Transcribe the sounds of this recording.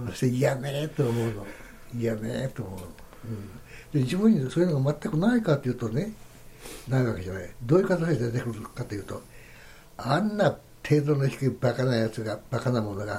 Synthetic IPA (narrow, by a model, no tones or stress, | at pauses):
oɕt̪eijamet̪oːmo̞ɯ̟no | jamḛt̪oːmo̞ɯno | ɯ̃ɴd̪̥ed͡ʑibɯ̟̃ɲ̟ːisoːjɯnoɡamat̪ːakɯ̟naikat̪ːojiɯ̟ːt̪one | naiɡaked͡ʑaned̪o̞ːjɯ̟kat̪aɕiad̪eɾet̪ekɯ̟kat̪ojɯːt̪o̞ | anːa | t̪ʰe̞ːd̪onoçʲi̥kɯ̟bakanaijat͡sɨɡab̥akanaimo̞no̞ɡa̰